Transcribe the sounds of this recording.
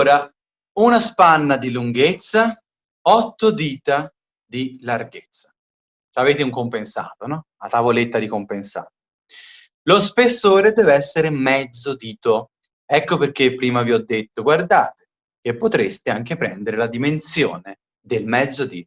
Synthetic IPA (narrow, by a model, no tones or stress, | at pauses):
ɾa | unaspanːad̪iluŋɡet̪sːa | ɔt̪ːod̪iːt̪a | d̪ilarɡet̪sːḁ | t͡ʃaveːt̪euŋkompensa̰ːt̪onɔ | at̪avolet̪ːad̪ikompensa̰ːt̪o | lospesːoːɾed̪ɛːveɛsːeɾemɛd̪zːod̪iːt̪o | ɛkːoperkepːɾiːmaviɔd̪ːet̪ːoɡward̪a̰ːt̪e̥ | k̟epːot̪ɾest̪eaŋk̟epɾɛnd̪eɾelad̪imensjo̰ːne | d̪elmɛd̪zːod̪ḭːt̪